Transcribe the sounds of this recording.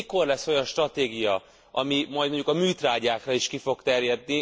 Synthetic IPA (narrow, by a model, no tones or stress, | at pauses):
iko̞rlɛsːo̞jɒnʃt̪rɒt̪eːɡijɒ | ʔɒmimɒjd̪mo̞ɲɟukɒmyːt̪raːɟaːkrɒiʃkifo̞kt̪ɛrjɛd̪ni